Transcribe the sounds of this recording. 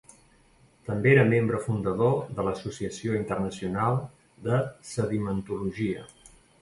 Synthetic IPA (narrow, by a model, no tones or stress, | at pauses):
t̪əmbeeɾəmembɾəfund̪əðoðələsusiəsioint̪ərnəsiunalˠ | d̪əsəðimənt̪uluʒiə̰